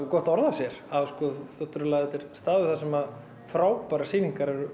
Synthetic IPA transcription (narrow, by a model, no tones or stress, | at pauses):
kɔht̪ɔɾðḁsjɛɾ̥avskɔðθɔht̪ːɾʏlaðɛt̪ɛɾ̥st̪aːðʏθasɛmað | fɾaːwpaɾasiːniŋkaɾɛɾʏ